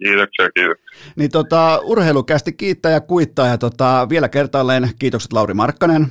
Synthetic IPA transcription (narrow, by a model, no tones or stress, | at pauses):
kiːt̪oksiɑkiːt̪oksi̥nit̪ot̪ɑurheilukæst̪ikiːt̪ːæːjɑkuit̪ːɑːjɑt̪ot̪ɑʋielækert̪ɑlːeːnkiːt̪okset̪lɑurimɑrkːɑnen